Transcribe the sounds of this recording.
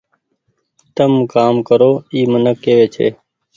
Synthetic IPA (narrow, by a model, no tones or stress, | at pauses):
t̪əmkaːmkəɾoːiːmənəkːeːʋeːt͡ʃʰḛː